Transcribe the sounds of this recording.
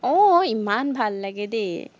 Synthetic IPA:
ɔimanbʱalːɛɡed̪e

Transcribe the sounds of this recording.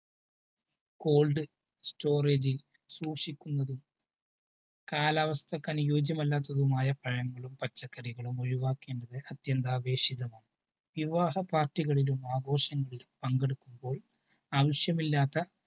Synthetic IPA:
ko̞ːɭɖɨ | sto̞ːreːd͡ʑil | suːʂikʲːunːɐðum | kaːlaːʋɐst̪ʰɐkːɐnujoːd͡ʑjɐmɐlːaːt̪ːɐðumaːjɐpɐɻɐŋːɐɭumpɐt͡ɕːɐkːɐɾiɣɐɭumoɻiʋaːkːe̞ːɳɖɐðɨʔɐt̪jɐnd̪aːʋe̞ːʂiðɐmaːɳɨ | ʋiʋaːɦɐpaːrtːiɣɐɭilumaːɡo̞ːʂɐŋːɐɭilumpɐŋɡeɽukːumbo̞ːɭ | aːʋiʂjɐmilːaːt̪ːɐ

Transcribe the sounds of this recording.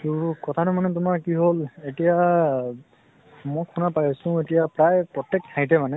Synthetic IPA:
tukɔt̪ʰatʊmanɛtʊmaɹkiɦoletija | mɔjkʰunapajasʊ̃etijapɹajpɹɔtɛk̚tʰːajtɛmanɛ

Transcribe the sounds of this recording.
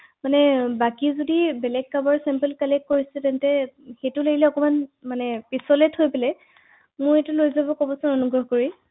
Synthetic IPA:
manɛbakizodibɛlɛɡ̚kabɔɹsɛmpɛlkalɛkkoɹisɛtɛntɛxejtʊleɡilɛɔkɔmanmanɛpisɔlɛthojpɛlɛ | mʊjetulojzabɔkobɔsʊnɔnuɡɹɔɦkoɹi

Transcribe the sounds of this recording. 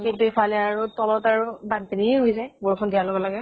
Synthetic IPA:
kintuipʰalɛaɹutɔlɔtaɹubantenieɦojzajboɹkʰɔndijalɔbɔlaɡɛ

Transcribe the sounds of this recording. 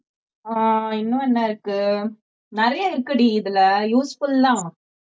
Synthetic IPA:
aːɪnːʊ̃ɛnːaɪɾɯkːɯ | nɪɾɐjaɪɾɯkːɐɽiɪðɪlɐjuːsfʊlt̪ãː

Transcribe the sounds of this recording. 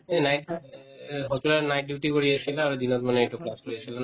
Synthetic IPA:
enajʈa | ɦɔt͡ɕuɾanajʈiwʈikoɽiet͡ɕʰilaaɾod̪inɔt̪maneeʈuklaskoɾiet͡ɕʰilan

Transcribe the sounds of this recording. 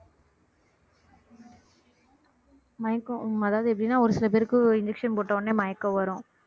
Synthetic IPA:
mɐjɐkːʊ̃ɐðaːʋɐðɯɛpːɐɽɪnːaːɔɾɯsɪlɐpeːɾɯkːɯɪɲd͡ʒɛkʂɐnpoːʈːɐɐnːeːmɐjɐkːɐ̃ʋɐɾʊ̃

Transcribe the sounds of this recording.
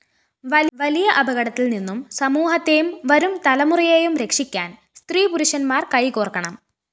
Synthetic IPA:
ʋɐʋɐlijɐʔɐbʱɐɣɐɽɐt̪ːilninːumsɐmuːɦɐt̪ːejumʋɐɾumt̪ɐlɐmurijejumɾe̞kʂikʲːaːn | st̪riːpuɾuɕɐnmaːrkɐjkoːrkːɐɳɐm

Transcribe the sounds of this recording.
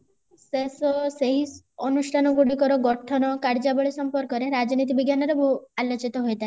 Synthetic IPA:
sesɔseɦis | ɔnuʃʈʰanɔɡuɽikɔɾɔɡɔʈʰɔnɔkaɾd͡ʒabɔɭisɔmpɔɾkɔɾeɾad͡ʒnit̪̬ibiɡjanɔɾɔbʱualɔt͡ʃit̪ɔɦojt̪a

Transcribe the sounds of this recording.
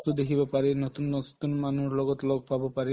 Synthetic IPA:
t̪ʊd̪ekʰibɔpaɹenɔt̪unːɔt̪unmanuɹlɔɡɔt̪lɔɡ̚pʰabɔpaɹi

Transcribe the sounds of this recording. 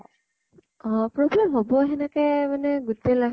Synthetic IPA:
ɔ̃pɹɔblɛmɦobɔɦɛnakɛmanɛɡutela

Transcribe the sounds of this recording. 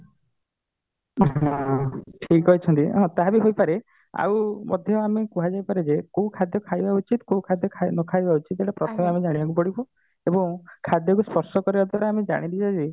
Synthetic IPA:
ɦɔ̃ʈʰikɦɔjt͡ʃʰɔnt̪iɦɔ̃t̪aɦabiɦojpaɾe | a̰wmɔ̰d̪ʱjɔamekuɦad͡ʒajpaɾed͡ʒekowkʰad̪ʱjɔkʰajbaut͡ʃit̪kowkʰad̪ʱjɔkʰanɔkʰajbaut͡ʃit̪eʈapɾɔt̪ʰɔmeamed͡ʒaɽ̃ibak̬upɔɽibɔ | ebɔŋkʰad̪ʱjɔkuspɔɾsɔkɔɾibad̪waɾaamed͡ʒa̰ɽ̃id̪id͡ʒad͡ʒi

